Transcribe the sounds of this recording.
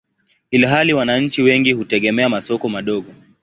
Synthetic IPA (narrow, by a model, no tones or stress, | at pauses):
ilɦaliwanaɲ̩t͡ʃiwɛŋɡihutɛɠɛmɛamasɔkɔmaɗɔɠɔ